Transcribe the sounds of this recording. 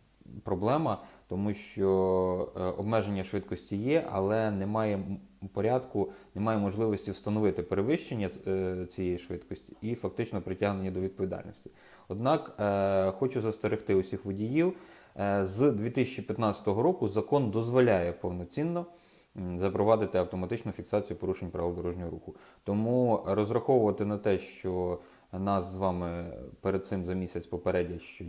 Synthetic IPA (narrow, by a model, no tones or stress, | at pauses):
pɾɔblˠɛmɐt̪ɔmuʃt͡ʃɔ | ɔ̰bmɛʒenʲːɐʃʋɪt̪kɔsʲtʲijɛʔɐ̰lˠɛnɛmɑjɛpɔɾʲad̪kʊnemɑjɛmɔʒlˠɪʋɔsʲtʲiwst̪ɐnɔʋɪt̪ɪpeɾeʋɪʃt͡ʃenʲːɐt͡sʲijɛjiʃʋɪt̪kɔsʲtʲi̥ifɐk̚t̪ɪt͡ʃnɔpɾɪtʲaɦnenʲːid̪ɔʋʲid̪pɔʋʲid̪ɑ̰lʲnʲɔ̰sʲtʲi̥ | ɔd̪nɑkxɔt͡ʃʊzɐst̪eɾɪxt̪ɪʊsʲixʋɔdʲijiw | zd̪ʋʲit̪ɪsʲt͡ʃipʲjɐt̪nɑt͡sʲsʲɐ̥t̪ɔɦɔɾɔkʊzɐkɔnd̪ɔzʋɔlʲajɛpɔwnɔt͡sʲinːɔ | zɐpɾɔʋɑd̪ɪt̪ɪɐwt̪ɔmɐt̪ɪt͡ʃnʊfʲiksɑt͡sʲijupɔɾuʃenʲpɾɐʋɪlˠd̪ɔɾɔʒnʲɔɦɔɾuxʊ | t̪ɔmuɾɔzrɐxɔwʊʋɐt̪ɪnɐt̪ɛʃt͡ʃɔ | nɑszʋɑmɪpeɾed̪̚t̪sɪmzɐmʲisʲɐt͡sʲpɔpeɾɛdʲɐʃt͡ʃɔ